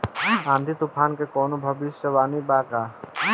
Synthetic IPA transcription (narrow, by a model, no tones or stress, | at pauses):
ãːnd̪ʱit̪ʊpʰaːnkekɔːnobʱɐbiʃjəʋaːnibaːkaː